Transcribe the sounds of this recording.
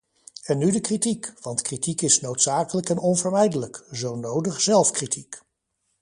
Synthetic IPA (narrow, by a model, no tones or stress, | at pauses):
ɛnːydəkritikʋɑntkritikɪsnowtsaːkələkɛnʔɔnvəɹmɛjdələkzownowdəχz̥ɛlˠfkritʰik